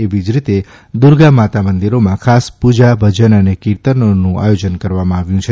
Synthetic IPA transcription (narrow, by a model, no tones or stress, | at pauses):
eʋid͡ʒɾit̪e | d̪ʊɾɡamat̪amənd̪iɾomãkʰaspud͡ʒabʱəd͡ʒənənekiɾt̪ənonũʔa̰jod͡ʒənkəɾʋamãaʋjũt͡ʃʰe